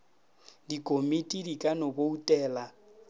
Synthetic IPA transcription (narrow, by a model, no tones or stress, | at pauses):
dikʼomitʼidikʼanoboutʼɛːla